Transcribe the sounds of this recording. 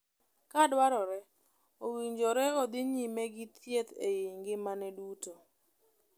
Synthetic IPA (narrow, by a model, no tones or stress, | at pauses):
kadwaɾɔɾɛ | owiɲd͡ʒoɾɛod̪ɪɲimɛɡɪt̪jet̪ḛjiŋɡɪmanɛduto